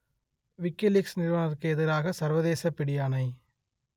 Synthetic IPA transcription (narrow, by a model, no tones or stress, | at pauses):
ʋɪkːɪlɪksnɪɾɯʋɐɳɐɾkɯɛðɪɾaːɣɐsɐɾʋɐðeːsɐpːɪɽɪjaːnɐɪ